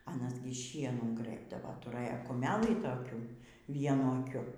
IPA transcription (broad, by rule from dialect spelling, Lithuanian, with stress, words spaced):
ɐˈnɐs ˈɡʲɪ ˈʃʲiɛnuː ˈɡrɘbdɐʋɐ tʊˈrɘjɛ kʊˈmʲæːlʲiː toːˈkʲuː ˈʋʲiɛnʊ ɐˈkʲʊ